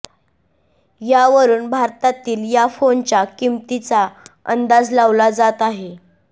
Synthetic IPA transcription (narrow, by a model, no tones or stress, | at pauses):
jaʋəɾuːnbʱaɾt̪at̪iːljafont͡ɕakimt̪it͡saə̰nd̪ad͡zlaʋlad͡zat̪aɦe